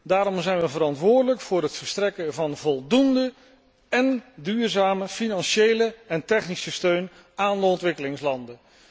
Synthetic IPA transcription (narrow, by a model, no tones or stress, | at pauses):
daːɾɔmzɛjnʋəvərɑntʋʊːɹdələkfʊːrɦətfəɹstrɛkəvɑnvɔlˠdundə | ɛndyːrzaːməfinɑnʃejləɛntɛχnisəstøɥn | aːndəɔntʋɪkəlɪŋslɑndə